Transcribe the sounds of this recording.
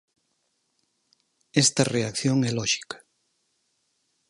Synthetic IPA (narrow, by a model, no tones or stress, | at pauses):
ɛst̪ɐreakθjoŋɛlɔʃi̥kḁ